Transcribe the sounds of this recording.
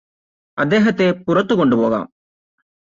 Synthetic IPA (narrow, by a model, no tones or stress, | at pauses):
ɐd̪eːɦɐt̪epuɾɐt̪uɡoɳɖuboʋa̰ːm